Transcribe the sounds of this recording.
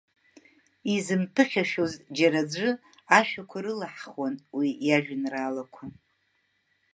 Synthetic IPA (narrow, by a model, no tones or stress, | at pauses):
izɨmpʰɨχʲaʃᶣozd͡ʒaɾad͡ʒʷɨ | aʃᶣakʷʰaɾɨlaħχwanwijaʒᶣɪnraːlakʷʰa